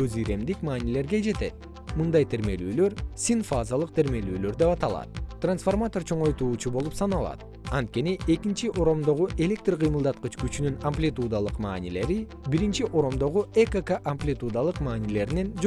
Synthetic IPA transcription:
øzijɾe̞md̪ikmɑːnile̞ɾɡe̞d͡ʒe̞t̪e̞t̪̚ | mɯnd̪ɑjt̪ʰe̞ɾme̞lyːlø̞ɾsʲinfazalˠɯq̚t̪ʰe̞ɾme̞lyːlø̞ɾd̪epɑt̪ɑlˠɑ̰t̪̚t̪ransformat̪o̞rt͡ʃʰo̞ɴo̞jt̪uːt͡ʃubo̞lˠupsɑnɑlˠɑ̰t̪ | ɑnt̪̚ke̞niʔe̞kint͡ʃiʔo̞ɾo̞md̪o̞ʁuʔe̞lʲe̞k̚t̪rqʰɨjmɯlˠd̪ɑt̪̚qɯt͡ʃkyt͡ʃynynɐmplʲit̪ud̪alˠɯqmɑ̰ːnile̞ɾi | biɾint͡ʃiʔo̞ɾo̞md̪o̞ʁuekəkaʔɐmplʲit̪ud̪alˠɯqmɑːnile̞ɾne̞nd͡ʒ

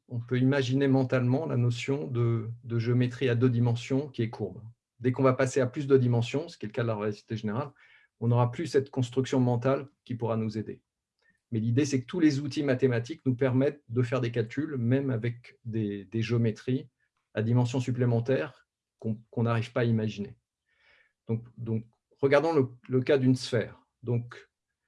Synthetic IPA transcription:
ɔ̃pøimaʒinemɑ̃t̪almɑ̃la̰nosjɔ̃d̪əd̪əʒeomet̪χiad̪ød̪imɑ̃sjɔ̃kʲiɛkʰuʁb | d̪ɛkɔ̃vapaseaplys̬d̪əd̪imɑ̃sjɔ̃sə̥kʲɛləkad̪əlaʁəasi̥t̪eʒeneʁal | ɔ̃nɔʁaplysɛt̪kɔ̃st̪χyksjɔ̃mɑ̃t̪alkʲipuʁanuzed̪ḛ | mɛlid̪esɛkət̪ulezut̪imat̪emat̪iknupɛʁmɛt̪̚d̪əfɛʁd̪ek̬alkʲylmɛmavɛkd̪ed̪eʒeomet̪χi | ad̪imɑ̃s̬jɔ̃syplemɑ̃t̪ɛʁ | kɔ̃kɔ̃naʁiv̥paːimaʒine | d̪̥ɔ̃kd̪ɔ̃k | ʁəɡaʁd̪ɑ̃lələkad̪ynsfɛːʁ | d̪ɔ̃k

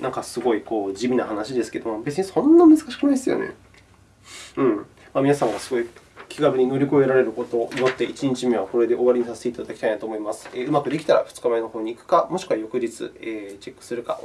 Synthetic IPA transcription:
nãŋkasɨɡo̞iko̞ːʑimʲinahanaɕid̪e̞sɨ̥ke̞d̪omobe̞t͡sɨɲ̟isõ̞nːamɯ̟zɨ̥kaɕi̥kɯ̟naisɨjo̰nḛ | ɯ̟̃ɴ | mamʲinasãŋɡasɨɡo̞i | kʲʰiɡabɯ̟ɲ̟ino̞ɾʲiko̞e̞ɾaɾe̞ɾɯ̟ko̞t̪o̞ːʔijot̪ːe̞it͡ɕiɲ̟it͡ɕimeβako̞ɾe̞d̪e̞ʔo̞βaɾʲiɲ̟isase̥t̪e̞it̪ad̪akʲi̥t̪ainat̪oːmoimasɨ̥eːɯ̟makɯ̟d̪e̞kʲi̥t̪aɾa̰ɸɯ̟̥t͡sɨ̥kaβainoho̞ːɲ̟iːkɯ̥kamo̞ɕi̥kɯ̟βajo̞kɯ̟d͡ʑit͡sɨ̰eːt͡ɕe̞kːɯ̟̥sɨɾɯ̟ka̰

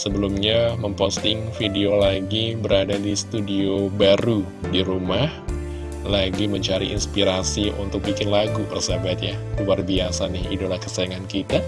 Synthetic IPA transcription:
səbəlumɲaməmpost̪ɪŋfideolaɡibəɾadadisə̥t̪udiobaɾu | diɾumah | laɡiməɲt͡ʃaɾiʔḭnspiɾasiʔunt̪ʊk̚bikɪnlaɡupərsabat̪jakubarbiasanɪɦḭdolahkə̥saaŋankit̪a

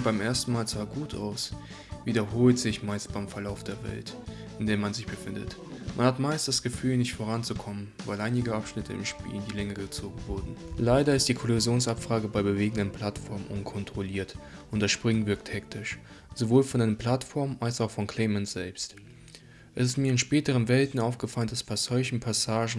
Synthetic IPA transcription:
b̥aɪmʔeːɐstn̩maːlt͡sv̥aːɡuːtʰʔa̰ʊs | viːdɐɦoːltz̥ɪçmaɪst̚b̥aɪmfɛɐlaʊfd̥eːɐvɛ̰lt | ʔɪndeːɐmanzɪçb̥əfɪndə̰t | mʔanhatmaɪst̚d̥asɡ̥əfyːlnɪçtfoːʁ̞ant͡sukʰɔmənvaɪlʔaɪnɪɡəʔapʃnɪtʰəɪ̰mʃpḭːlndiːlɛŋəɡət͡soːɡŋ̩vʊɐdn̩laɪdɐɪstd̥iːkʰɔloɪzjoːnsapfʁ̥aːɡəbaɪbəveːɡəŋ̩dənpʰl̥atfɔɐmnʔʊ̰nkʰɔntʁ̥oliːɐtʔʊntd̥asʃpʁ̥ʏŋvɪɐkthɛktɪʃ | z̥ovoːlfɔnʔaɪnəmpl̥atfɔɐmalsaʊxfɔnkʰl̥ɛɪmɛntz̥ɛlpst | ʔɛsɪstmiːɐɪnʃpɛːtəʁənvɛltn̩aʊfɡ̥əfaləndasb̥asz̥ɔʏçn̩pʰasaːʒn̩

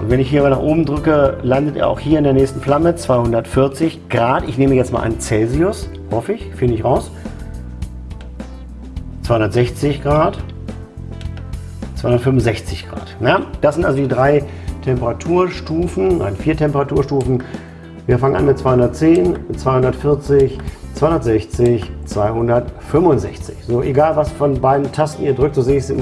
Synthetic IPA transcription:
ʔʊ̰ntvɛnɪçhiːɐabɐlnaːχʔoːbm̩dʁʏkəlandətḛːɐʔa̰ʊxhiːɐɪndeɐnɛːstn̩flamət͡sv̥aɪhʊndɐtfɪɐt͡sɪçɡ̥ʁaːtɪçneːməjɛt͡stma̰lʔa̰ɪnt͡sɛlziʊs | hɔfəɪçfɪndəɪçʁaʊs | t͡svaɪhʊndɐtz̥ɛçt͡sɪçɡ̥ʁaːt | t͡saɪʊnɐətfʏmʊnzɛçt͡sɪçɡ̥ʁa̰ːtnajad̥aszɪntʔalzodiːdʁaɪ | tʰɛmpəʁatʰuːɐʃtuːfn̩na̰ɪnfiːɐtʰɛmpəʁatuːɐʃtuːfn̩ | viːɐfaŋənʔa̰nmɪt̚t͡sv̥aɪhʊndɐt̚t͡seːnt͡sv̥aɪhʊndɐtfɪɐt͡sɪçt͡saɪʊndɐtz̥ɛçt͡sɪçt͡sv̥aɪhʊndɐtfʏmʊnzɛçt͡sɪçz̥oːʔeɡaːlvasfɔnbaɪdn̩tʰastn̩ʔiːɐdʁʏktz̥oːzeːəɪçsɪn

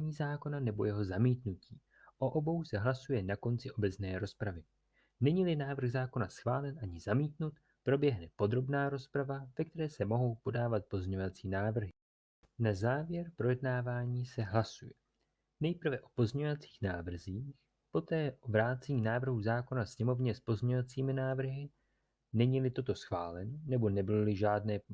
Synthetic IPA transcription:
ɲiːzaːko̞nanɛbo̞jɛɦo̞zamiːt̪nuciː | ʔoʔo̞bo̞wsɛɦlasujɛnako̞nt͡sɪʔo̞bɛt͡snɛːɾo̞spɾavɪ | nɛɲiːlɪnaːvr̩ɣzaːko̞nasxvaːlɛnʔaɲɪzamiːt̪nut̪ | pɾo̞bjɛɦnɛpo̞d̪ɾo̞bnaːɾo̞spɾavavɛk̚t̪ɛɾɛːsɛmo̞ɦo̞wpo̞daːvat̪̚po̞zɲeɲo̞vat͡siːnaːvr̩ɦɪ | nazaːvjɛɾpɾo̞jɛdnaːvaːɲiːsɛɦlasujɛ | nɛjpr̩vɛʔo̞̥po̞zɲɛovat͡si̥ːxnaːvr̩ziːx | po̞t̪ɛːʔovɾaːt͡sɛɲiːnaːvr̩ɦuzaːko̞nasɲɛmo̞vɲɛspo̞zɲɛovat͡siːmɪnaːvr̩ɦɪ | nɛɲiːlɪt̪o̞t̪o̞sxva̰ːlɛnonɛbo̞nɛbɪlolɪʒaːdnɛː

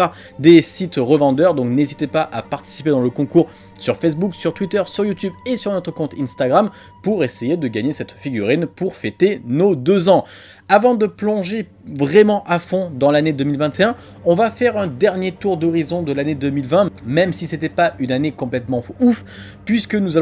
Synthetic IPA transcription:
a | d̪esit̪ʁəvɑ̃d̪œʁd̪ɔ̃knezit̪epaʔapaʁt̪i̥si̥ped̪ɑ̃ləkɔ̃kuʁ | syʁfes̬buksyʁt̪wit̪œʁsyʁjut̪ybesyʁnɔt̪χəkɔ̃t̪ĩnst̪aɡʁam | puʁesejed̪əɡaɲesɛt̪fiɡʲyʁinpuʁfet̪enod̪øzɑ̃ | avɑ̃d̪əplɔ̃ʒe | vʁɛmɑ̃ʔafɔ̃d̪ɑ̃laned̪əmilvɛ̃t̪eɛ̃ | ɔ̃vafɛʁɛ̃d̪ɛʁnjet̪uʁd̪ɔʁizɔ̃d̪əlaned̪ømilvɛ̃mɛmsiset̪ɛpaynanekɔ̃plɛt̪mɑ̃uf | pɥiskənuza

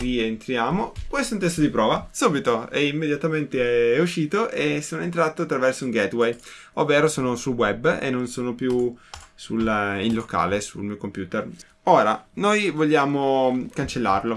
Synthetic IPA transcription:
rient̪ɾjaːmokwest̪ount̪ɛst̪od̪ipɾɔːvasuːbit̪oɛimːed̪jat̪ament̪eɛuʃːiːt̪oʔesːoːnoent̪ɾaːt̪oat̪ːɾavɛrsouŋɡɛt̪wɛj | ovːeːɾosoːnosulwɛbːḛnːonsoːnopjusulilːoka̰ːlesṵlmiːokompjuːt̪er | oːɾanojvoʎːaːmokant͡ʃelːa̰rlo

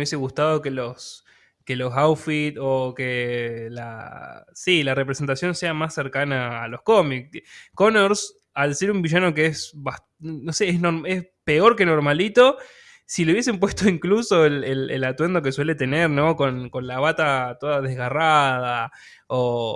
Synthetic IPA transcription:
jeseɣust̪að̞o̞kelos | kelo̞sawfit̪okela̰ | silare̞pɾese̞nt̪asjo̞nse̞amasːe̞ɾkanaːlosko̞mikkonoɾs | alse̞ɾumbiʃano̞keesβas | noseesnoɾmes | pe̞o̞ɾke̞noɾmalit̪o̞ | sileuβjes̬empwe̞st̪o̞iŋkluso̞elelḛlat̪we̞nd̪o̞k̬e̞swe̞let̪e̞neɾnõko̞nko̞nlaβ̞at̪at̪o̞ðaðezɣaraða | o

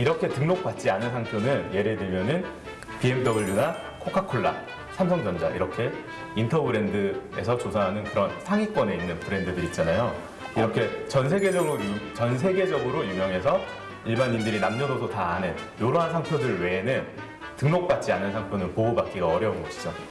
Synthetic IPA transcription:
iɾʌkʰe̞tɯŋnok̚p͈at̚t͡ɕ͈ianɯnsʰaŋpʰjonɯnje̞ɾe̞dwemjʌnɯn | piemt͈ʌbɯʎːuɡa | kʰokʰakʰoɭːa̰ | sʰamsʰʌŋd͡ʑʌnd͡ʑa̰iɾʌkʰe̞ | intʰʌbɯɾe̞ndɯe̞̰sʰʌt͡ɕosʰanɦanɯnkɯɾʌnsʰaŋik͈wʌne̞inːɯnpɯɾe̞ndɯdɯɾit̚t͡ɕ͈anajo | iɾʌkʰe̞t͡ɕʌnsʰe̞ɡe̞d͡ʑʌɡɯɾot͡ɕʌns̬ʰe̞ɡe̞d͡ʑʌɡɯɾojumjʌŋe̞s̬ʰʌ | iɭbaɲindɯɾinamd͡ʑʌsʰʌdotaːnen | joɾoɦansʰaŋpʰjodɯɭwe̞ːnɯn | tɯŋnok̚p͈at̚t͡ɕ͈ianɯnsʰaŋpʰjonɯnpoːbak̚k͈iɡaʌɾjʌumɡʌɕʰi̥d͡ʑo

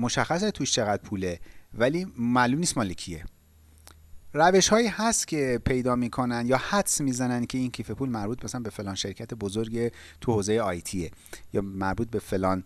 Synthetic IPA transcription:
moʃæxːæs̬et̪ʰuʃt͡ʃʰe̞ɣæd̪̥̚pʰuːle̞væliːmæluːmniːst̪mɒːlecʰie | ræve̞ʃhɒːiːhæst̪cʰe̞pʰe̞jd̪ɒːmiːkʰo̞nænd̪jɒːhæt̪smiːzænænd̪̚cʰe̞incʰiːfe̞pʰuːlmæɾbuːt̪mæsælænbe̞fe̞lɒːnʃeɾkcʰæt̪ʰebozoɾɟe | t̪ʰuhoːzejeɒjt̪ʰiːejɒːmæɾbuːt̪̚be̞fe̞lɒːn

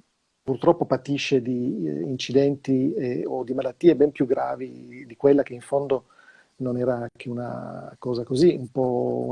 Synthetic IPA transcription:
purt̪ɾɔpːopat̪iʃːed̪iːnt͡ʃid̪ɛnt̪ieod̪imalat̪ːiebɛmpjuɡːɾaːvid̪ikwelːak̟eiɱfond̪o | nonɛːɾaak̟ʰeuna̰kɔːzakoziumpɔ̰

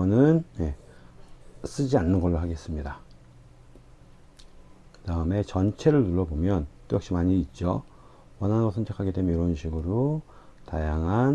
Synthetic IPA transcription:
ʌnɯnje̞ | s͈ɯd͡ʑianːɯnɡʌɭːoɦaɡeɦes͈ɯmɲida | kɯdaɯme̞t͡ɕʌnt͡ɕʰe̞ɾɯɭtuɭːʌbomjʌnt͈ojʌkɕ͈imaɲiːt̚t͡ɕ͈o | wʌnɦanɡosʰʌnt͡ɕʰakʰaɡe̞dwe̞mjʌniɾʌɯnɕʰiɡɯɾo | tajaŋɦan

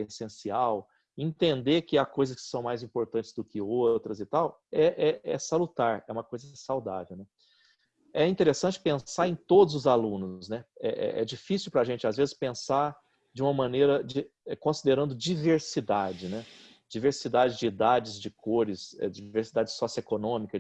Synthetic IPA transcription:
esẽsiaw | ẽnt̪ẽnd̪ekɪakojzɐskɪ̥sɐ̃w̃majzĩpoɾt̪ɐ̃nt͡ʃɪ̥zd̪ʊkɪot̪ɾɐzɪt̪aw | ɛʔɛɛsalut̪aɾɛũmɐkojzɐsawd̪a̰vewnɛ | ɛĩt̪eɾesɐ̃t͡ʃɪ̥pẽsaẽj̃t̪od̪ʊzʊzalũnʊznɛɛ̰ʔɛ̰ʔɛ̰d͡ʒifisiuwpɾaʒẽt͡ʃɪazvezɪ̥spẽsa | d͡ʒɪũmɐmɐ̃nejɾɐd͡ʒɪɛkõsid̪eɾɐ̃nd̪ʊd͡ʒiveɾsid̪ad͡ʒɪnɛ | d͡ʒiveɾsid̪ad͡ʒɪzd͡ʒɪid̪ad͡ʒɪzd͡ʒɪkoɾɪsɛ̰d͡ʒɪd͡ʒveɾsid̪ad͡ʒɪsɔsiekonõmikɐ

